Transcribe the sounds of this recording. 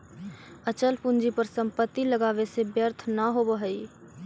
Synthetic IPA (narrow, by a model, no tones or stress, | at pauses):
ət͡ʃəlpund͡ʒipəɾsə̃mpət̪ːiləɡaːʋesebjəɾt̪ʰnaɦobəɦəi